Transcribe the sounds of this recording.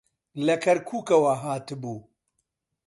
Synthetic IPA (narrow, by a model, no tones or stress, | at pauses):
lɐkʰɐɾkʰuːkɐwɐɦaːt̪ɨbuː